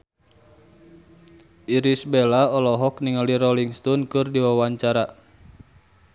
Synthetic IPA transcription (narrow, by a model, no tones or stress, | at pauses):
iɾisbelaɔlɔɦɔkniŋalirɔliŋst̪ɔnkɨrdiwawaɲt͡ʃaɾa